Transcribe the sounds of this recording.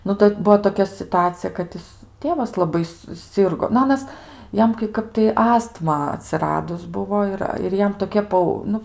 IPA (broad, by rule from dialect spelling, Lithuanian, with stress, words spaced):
ˈnʊ tɐɪ ˈbuɔ toːˈkʲɛ sʲɪtʊˈɑːt͡sʲɪjɛ kɐt ˈjɪs ˈtʲeːʋɐs lˠɐˈbɐɪ sʊˈsʲɪrɡoː nʊ ˈɑːnɐs ˈjɛm kɐɪ ˈkɐp tɐɪ ˈɑːstmɐ ɐtʲsʲɪˈrɑːdʊs ˈbʊʋoː ɪr ɪr ˈjɛm toːˈkʲɪ ˈpɐʊ ˈnʊ